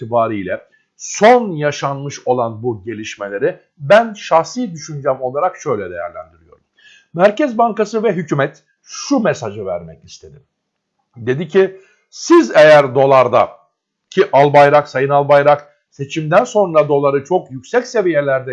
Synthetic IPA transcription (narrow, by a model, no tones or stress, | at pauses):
t̪ʰibaːɾijlʲɛ | sonjaʃanmɯʃo̞lˠanbuɟe̞lʲiʃme̞lʲe̞ɾi | bænʃaxsid̪yʃynd͡ʒɛmo̞lˠaɾakʃø̞jlʲɛd̪e̞jæ̰ɾlʲæ̰nd̪iɾijo̞ɾuz | mæɾcɛzbaŋkasɯvɛɦycʰymɛt̪ | ʃumɛsaʒɯvæ̰ɾmɛcist̪ʰe̞d̪im | d̪e̞d̪icʰi | sizejæɾd̪o̞lˠaɾd̪a̰ | cʰiʔalˠbajɾaksajɯnalˠbajɾak | se̞t͡ʃʰimd̪ænso̞nɾad̪o̞lˠaɾɯt͡ʃʰo̞kjycsɛcse̞vije̞lʲæɾd̪ɛ